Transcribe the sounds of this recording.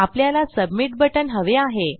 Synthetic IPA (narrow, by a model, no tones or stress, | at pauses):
apljalasəbmiʈ̚bəʈənɦəʋeaɦe